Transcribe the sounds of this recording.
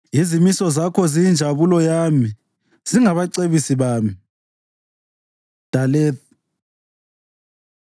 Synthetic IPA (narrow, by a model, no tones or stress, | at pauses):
izimisɔzakʰɔzijind͡ʒʱaβulɔjami | ziŋaβaǀeβisiβaːmi | d̥ʱalɛːt̚